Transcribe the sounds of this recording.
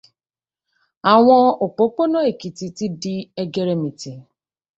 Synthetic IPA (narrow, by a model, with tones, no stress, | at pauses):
a˨w̃ɔ̃˦o˨k͡po˨˦k͡po˦nɔ̃˦e˨ki˨ti˨ti˦di˦e˦ɡe˦ɾe˦mĩ˨ti˨